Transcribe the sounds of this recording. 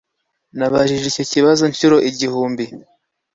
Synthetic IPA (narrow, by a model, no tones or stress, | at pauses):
naβaʒiʒicociβazoɲʃuɾo̞ʔiɟihuːmbi